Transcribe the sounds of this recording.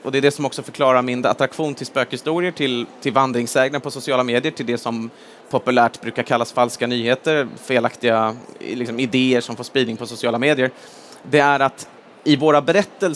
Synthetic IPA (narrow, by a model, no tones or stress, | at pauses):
ʔɔd̪ɛɖɛsɔmɔksɔfœɾkʰlɑːɾaɾmɪnd̪a̰t̪ɾakɧuːnt̪ʰɪlspøːkhɪst̪uːɾɪəʈʰɪlt̪ʰɪlvand̪ɾɪŋsɛːɡnaɾpʰɔsʊsɪɑːlameːd̪ɪəʈʰɪld̪ɛsɔm | pʰɔpɵlæːʈbɾʉ̟ːkaɾkʰalːasfalskanyːheːt̪əɾfeːlakt̪ɪɡalɪksɔmɪd̪eːəʂɔmfoːʂpɾiːd̪nɪŋpʰɔsʊsɪɑːlameːd̪ɪəɾ | d̪ɛæɾat̪ | ɪvoːɾabɛɾɛt̪ːəl